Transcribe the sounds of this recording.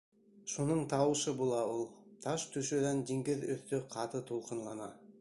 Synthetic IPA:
ʃonəɴt̪ʰɑwəʃəbolˠɑwolˠt̪ʰɑʃt̪ʰɵʃed̪ænd̪eŋɡʲɪðɵθt̪ɪqʰɑt̪ət̪ʰolˠqənlˠɑnɑ

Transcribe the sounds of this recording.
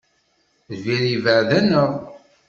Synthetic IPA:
ðviɾivəʕðænəʁ

